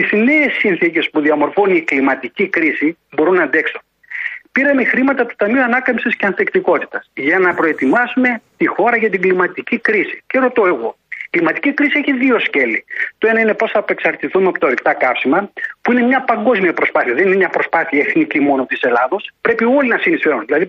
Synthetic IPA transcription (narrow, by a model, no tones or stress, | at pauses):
izne̞ːsinθice̞spuðiɐmo̞ɾfoniklimɐt̪icikɾisibo̞ɾunɐnd̪e̞kson | piɾɐmexɾimɐt̪ɐt̪u̥t̪ɐmiuɐnɐkɐmsisceɐnθekt̪iko̞t̪i̥t̪ɐsʝɐnɐpɾo̞e̞t̪imɐsume̞t̪ixo̞ɾɐʝɐt̪̬iɡlimɐt̪icikɾisi̥kseɾo̞t̪o̞e̞ɣo̞ | iklimɐt̪i̥cikɾisieçiðio̞sce̞lit̪o̞e̞nɐine̞po̞sθɐːpe̞ksɐɾt̪iθumeɐpo̞t̪ɐoɾikt̪ɐkɐfsimɐpuine̞mɲɐpɐŋɡo̞zmiɐpɾo̞spɐθiɐðeninemɲɐpɾo̞spɐθiɐeθnicimo̞nopt̪ise̞lɐðo̞spɾe̞pio̞linɐsinisfe̞ɾunðilɐði